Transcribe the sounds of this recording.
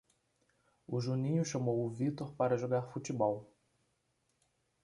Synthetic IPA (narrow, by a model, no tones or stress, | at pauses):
ʊʒunĩɲʊʃɐmowʊvit̪oɾpaɾɐʒoɡaɾfut͡ʃibɔw